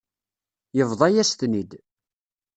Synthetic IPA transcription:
jəvðˤɑjæst̪nid̪

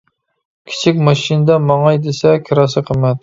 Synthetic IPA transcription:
kʲʰi̥t͡ʃʰikʲmɑʃinɨd̪ɛmɑŋɑjd̪esɛkʲʰiɾɑsɨqʰəmɛt̪̚

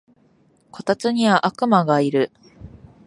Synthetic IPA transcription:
kʰo̞t̪at͡sɨɲ̟iβaʔakɯ̟maɡaiɾɯ̟

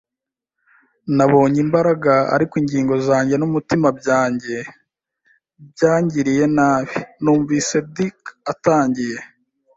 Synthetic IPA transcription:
naβo̞ːɲimbaɾaɡaa̰ɾikwiːɲɟiːŋɡo̞zaːɲɟe̞numutimab̚ɟaːɲɟe̞ | bɟaːɲɟiɾije̞naːβinuːɱviːse̞dikataːɲɟije̞

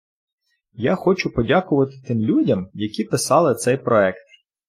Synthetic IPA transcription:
jaxɔt͡ʃʊpɔdʲakʊʋɐt̪ɪ̥t̪ɪmlʲudʲɐmjɐkʲipɪsɑlˠɪt̪sɛjpɾɔɛkt̪̚

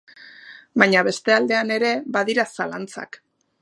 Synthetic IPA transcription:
baɲaβe̞st̪e̞ald̪e̞ane̞ɾe̞baðiɾasalant͡sa̰k

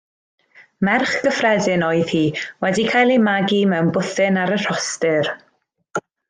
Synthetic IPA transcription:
mɛrχɡ̥əfrɛdɪnɔɨð̥hiːwɛdikʰajlˠemaɡimɛwnbʊθɪnaɾər̥ɔstɪr

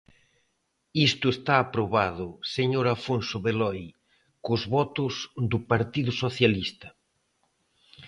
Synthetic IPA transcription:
ist̪ʊest̪aːpɾoβaðʊseɲoɾafonsʊβelɔj | kʊzβɔt̪ʊzd̪ʊpaɾt̪iðʊsoθjalist̪ɐ

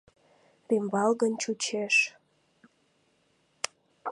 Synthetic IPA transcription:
t̪embɑlɣənt͡ɕut͡ɕeʃ

